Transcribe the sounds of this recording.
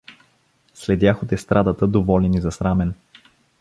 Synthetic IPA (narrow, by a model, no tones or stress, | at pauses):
slɛd̪ʲjaxot̪ɛst̪ɾʔad̪ət̪əd̪ovɔlʲɛnizɐsɾamɛn